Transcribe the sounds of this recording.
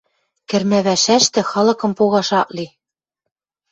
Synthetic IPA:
kɘ̆rmæβæʃæʃt̪ɘ̆xɑlɤ̆kɤ̆mpoɣɑʃɑʔli

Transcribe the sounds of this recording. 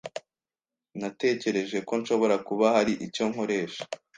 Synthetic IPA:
nate̞ːce̞ɾe̞ʒe̞ko̞nʃo̞βo̞ɾakuβahaɾiʔico̞ŋho̞ɾe̞ːʃḁ

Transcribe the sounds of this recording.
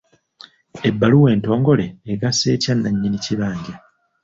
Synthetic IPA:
e̞bːaluwe̞ːnto̞ːŋɡo̞le̞ːɡase̞ːcanːaɲːiniciβaːɲɟa

